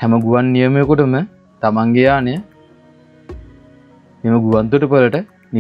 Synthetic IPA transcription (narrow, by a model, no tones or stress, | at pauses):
hɛməɡuʋanːijəmejkuʈəmə | t̪amaŋɡejaːneə | meməɡuʋant̪uʈəpələʈə | ni